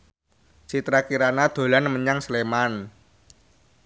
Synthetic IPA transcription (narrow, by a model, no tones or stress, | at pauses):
sit̪ɾakiɾanad̪̥o̤lanməɲaŋsleman